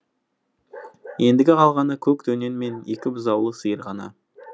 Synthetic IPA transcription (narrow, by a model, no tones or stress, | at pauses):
je̞nd̪ɪɡʲɪqʰɑlˠʁɑnəkʲʰɵk̚t̪ʰɵnenme̞ne̞kʲɪbʊzɑwlˠəsəjəɾʁɑnɑ̰